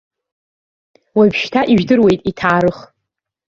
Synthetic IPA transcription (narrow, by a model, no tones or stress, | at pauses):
wabʃtʰaʔiʒdɨrwe̞jtʼitʰaːɾɨχ